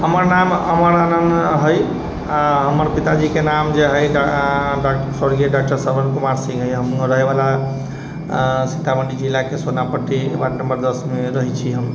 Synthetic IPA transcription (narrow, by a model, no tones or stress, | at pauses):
ɦəməɾnamɦəməɾanənd̪ɦəj | aɦəməɾpit̪ad͡ʒikenamd͡ʒeɦəj | ɖaksəɾɡieɖak̚ʈəɾsəɾbənkumaɾsĩŋɡɦəjɦəmɾəɦebala | sit̪aməɳɖid͡ʒilːakesonapəʈibanəmbəɾd̪əsmeɾəɦit͡ʃʰiɦəm